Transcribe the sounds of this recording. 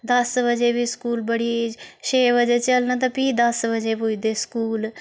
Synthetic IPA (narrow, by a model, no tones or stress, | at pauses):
d̪əsbəd͡ʒeːbiːskuːlbəɽiːʃeːʋəd͡ʒeːt͡ʃəlnaːt̪̬ãːpiːd̪əsbəd͡ʒeːpoːiːd̪eːskuːl